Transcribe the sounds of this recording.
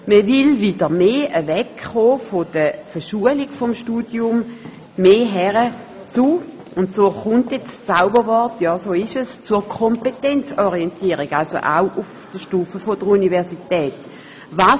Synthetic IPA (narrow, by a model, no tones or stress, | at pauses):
məvɪlvidəʁmeːəvɛkχoːfɔd̥əfəʃuəliɡ̥fɔmʃtuːdjʊmː | eːɦɛʁə | t͡su | ʊntsoːχʊntjɛt͡st͡saʊbəʁvɔɐtjɑːsoːɪʃəst͡suːɐkʰɔmpetɛnt͡sɔʁiɛntʰiːʁiɡalso̰ʔa̰ʊʔufd̥əʃtuːfəfodəʁunivɛɐsitɛːt | vaː